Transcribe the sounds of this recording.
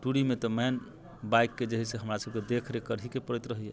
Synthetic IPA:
ʈuɽimet̪ɔmɛn | bajkːed͡ʒəɦiseɦəmɾasəb̚ked̪ekʰɾekəɾɦikepəɾit̪ɾəɦiɛ

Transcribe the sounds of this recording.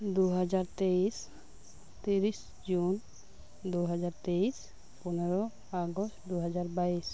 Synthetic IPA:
d̪uɦɛzaɹt̪eis | t̪iɹis | d͡ʒun | d̪uɦɛzaɹt̪eis | pɔnɔɹɔ | aɡɔstd̪uɦɛzaɹbais

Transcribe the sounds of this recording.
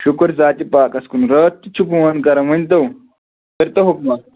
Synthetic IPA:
ʃukɐɾzaːt̪ipaːkɐskunɾɐːt̪ːit͡ʃʰupuwɐnkɐɾɐɐnʲt̪ɐw | pɐɾt̪ɐɦukmɐt̪

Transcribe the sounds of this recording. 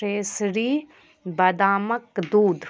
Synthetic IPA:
eːsɾiː | bɐd̪aːməkd̪uːd̪

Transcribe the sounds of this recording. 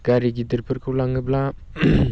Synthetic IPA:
ɡ̥aɾiɡidiɾpʰɯɾkʰɯwlaŋɯbla

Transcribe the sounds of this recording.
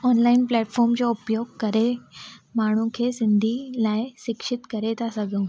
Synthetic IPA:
ɔːnlaːɪnplɛːʈfʰɔːɾmd͡ʑoʊpjoːɡ̚kɐɾemaːɳ̤̃ũkʰeːsɪnd̪ʱilaːeʃɪkʃɪt̪kɐɾet̪ʰasɐɡʱũ

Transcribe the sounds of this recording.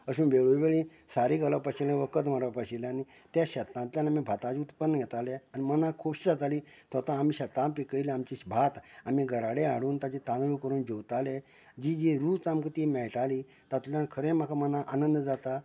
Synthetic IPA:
əɕuːnʋeɭujʋeɭĩ | saɾiːɡalapaɕilãʋəkət̪maɾʋapaɕilaanit̪jaɕət̪nãt̪ljanamibʱat̪ad͡ʑiut̪pənːəɡʱɛt̪aleanimənakʰubɕid͡zat̪aliːt̪ət̪ãːmiːɕət̪ãmpikəiliamt͡ɕiɕbʱat̪amiɡʱəɾaɽeaɽuːnt̪at͡ɕet̪ãnɭuːkəɾuːnd͡ʑowt̪ale | d͡ʑiːd͡ʑiɾut͡samkət̪imɛɭʈaliː | t̪at̪ulankʰəɾẽmakʰamənaʔanənd̪d͡zat̪a

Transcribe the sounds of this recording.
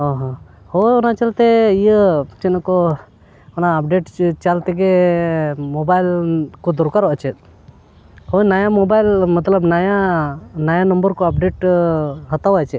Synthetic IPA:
ɔɦɔ̃ | hɔɔnat͡ʃalt̪ɛijət͡ʃɛnkɔ | ɔnaːp̚ɖeʈt͡ʃalt̪ɛɡɛ | mɔbajlkɔd̪ɔɾkaɾɔʔat͡ʃɛt̪̚ | hɔnajamɔbajlmət̪ləbnajanajanəmbəɾkɔap̚ɖeʈɦət̪awat͡ʃɛ

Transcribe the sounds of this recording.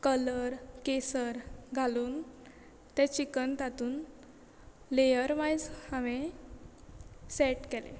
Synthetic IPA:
kələɾkesəɾɡʱaluːn | t̪ɛ̃t͡ɕikənt̪at̪uːn | lejəɾmajd͡zhaʋe | sɛʈkɛlḛ̃

